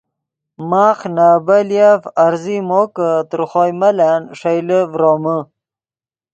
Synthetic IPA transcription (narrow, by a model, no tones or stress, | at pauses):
maːχnaːbaljafaɾzimokət̪ɾχoːjmɐlanʂajləvɾoːmə